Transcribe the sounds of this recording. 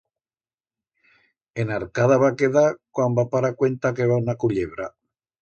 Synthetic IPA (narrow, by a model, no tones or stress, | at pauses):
enaɾkaðaβakeðakwambapaɾakwe̞nt̪akeβanakuʎeβɾa